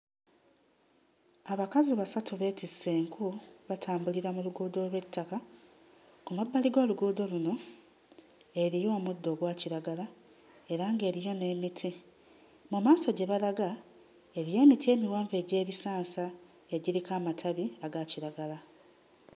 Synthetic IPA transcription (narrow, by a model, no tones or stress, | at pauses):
aβakaziβasatuβe̞tisːeːŋkʰuβatʰaːmbuliɾamuluɡuːdo̞lwe̞tʰːaka | kumabːaliɡo̞ːluɡuːdo̞luno̞ | e̞ɾijo̞ːmudːo̞ːɡwaːciɾaɡala | e̞ɾaːŋɡe̞ːɾijo̞ne̞mitʰi | mumaːso̞ɟe̞βalaɡa | e̞ɾije̞ːmitie̞ːmiwaːɱve̞ːɟe̞ːβisaːnsa | e̞ɟiɾikaːmatʰaβiaɡaciɾaɡala